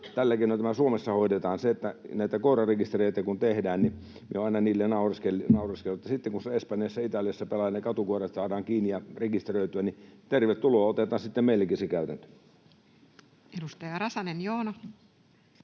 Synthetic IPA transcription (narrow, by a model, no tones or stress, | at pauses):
t̪ælːækienot̪æmæsuomesːɑhoˑidet̪ɑːnseet̪ːænæit̪ækoˑrɑrekist̪ereˑit̪ækunt̪ehdæːnni | mieoɑˑinɑniːlːenɑˑurɑskelnɑˑurɑskeluet̪ːɑsit̪ːeŋkunsɑespɑnjɑsːæit̪ɑlijɑsːæpelɑjɑnekɑt̪ukuorɑt̪sɑːdɑːŋkiːnijɑrekist̪erøˑit̪yænit̪erʋet̪tuloːot̪et̪ˑɑːnsit̪ːemeilːækisekæˑyt̪ænt̪ø̥ | edust̪ɑjɑrɑsɑnenjoːnɑ